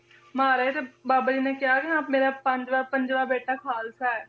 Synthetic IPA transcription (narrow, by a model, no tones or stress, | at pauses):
maːɾaet̪ebaːbaːd͡ʒiːneːkɪɦaːkɪãːmeːɾaːpəɲd͡ʒʋaːɾpəɲd͡ʒʋaːɾbeːʈaːkʰaːlsaːɛː